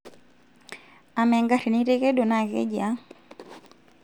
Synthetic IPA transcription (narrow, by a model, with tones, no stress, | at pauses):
a˨mɛ˨ŋɡa˦ɾi˨ni˦ɾɛ˦kɛ˦dɔ˨na˨ɣɛ̰˦d͡ʒa˦